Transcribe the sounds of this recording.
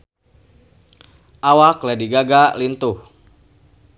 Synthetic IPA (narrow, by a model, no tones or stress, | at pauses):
ʔawaklɛdiɡaɡalint̪uh